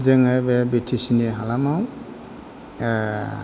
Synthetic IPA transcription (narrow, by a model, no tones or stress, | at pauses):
zɛŋabɛbitʰisiniɦalamaw